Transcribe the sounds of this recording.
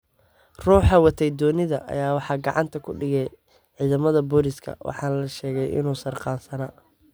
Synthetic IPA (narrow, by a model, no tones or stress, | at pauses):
ruːħɑwɑt̪ʰɛjd̪ɔːnɪðɐʔɐ̰jaːwɑħɑːɡɑ̰ʕɑ̰nt̪ʰɐkʰʊɖɪɣɛj | ʕiːðɐmɐðɐbɔɾɪskʰɐ̰wʔɑ̰ħɑːnlɐʃɛːɣɛjʔɪ̰nuːsɐrqɑːnsɐnaː